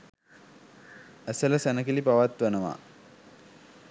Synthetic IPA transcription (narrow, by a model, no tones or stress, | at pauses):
æsələsænəkilipaʋat̪ʋanəʋa̰